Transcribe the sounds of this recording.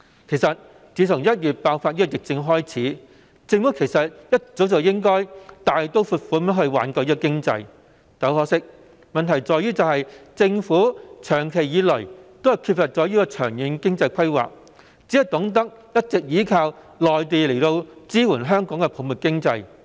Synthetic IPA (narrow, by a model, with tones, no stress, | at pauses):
kʰe˨˩jsɐ˨t̚ | t͡siː˨˥t̪ʰʊ˨˩ŋjɐ˥t̚jyː˨t̚paː˧wfaː˧t̚jiː˥ɔ˧jɪ˨k̚t͡sɪ˧ŋɦɔː˥jt͡sʰiː˨˥ | t͡sɪ˧ŋfu˨˥kʰe˨˩jsɐ˨t̚jɐ˥t̚t͡so˨˥wt͡sɐ˨wjɪ˥ŋkɔː˥jt̪aː˨jt̪o˥wfu˧t̚fuː˧˥˦mɐ˥hɵ˧ɥwa̰ː˨˥nkɔː˧wjiː˥kɔ˧kɪ˥ŋt͡sɐ̰˧j | kɐ˨˥whɔː˧˥sɪ˥k̚ | mɐ˨nt̪ʰɐ˨˩jt͡sɔː˨jyː˥t͡sɐ˨whɐ˨jt͡sɪ˧ŋfuː˨˥t͡ʃʰœː˨˩ŋkʰe˨˩jjiː˨˧lɵ˨˩t̪o˥whɐ˨jkʰyː˧t̚fɐ˨t̚t͡sɔː˨˥jiː˥kɔː˧t͡ʃʰœː˨˩ŋji˨˥nkɪ˥ŋt͡sɐ˧jkʰɐ˥jwa̰ː˨k̚ | t͡siː˨˥hɐ˨˧wt̪ʊ˨˥ŋt̪ɐ˥k̚jɐ˥t̚t͡sɪ˨k̚jiː˨˥kʰaː˧w | lɔː˨jt̪̬eː˨˧le˨˩jt̪o˧wt͡siː˥wuː˨˩nɦœː˥ŋkɔː˨˥ŋkɛ˧pʰo˨˧mu˨t̚kɪ˥ŋt͡sɐ˧j